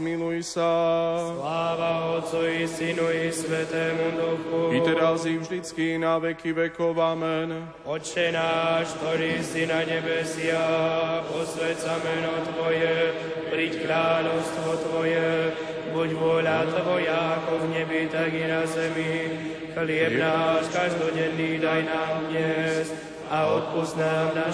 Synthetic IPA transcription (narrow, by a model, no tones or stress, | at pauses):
milujsaslaːʋaɔt͡sujisinuisʋɛt̪ɛːmud̪uxuiɛɾazivʒd̪it͡skinaʋɛkiʋɛkɔʋamɛn | ɔt͡ʃɛnaːʃt̪ɔɾiːsinaɲɛbɛsɪapɔsʋɛt͡samɛnɔt̪ʋɔjɛ | pɾickɾaːʎɔʊst̪ʋɔt̪ʋɔjɛ | buɟʋʊɔʎatt̪ʋɔjaakɔvɲɛbit̪aɡinazɛmi | xlɪɛbnaːʃkaʒd̪ɔɟɛnːiːd̪ajnaːmd̪ɲɛs | aɔt̪̚puznaːmna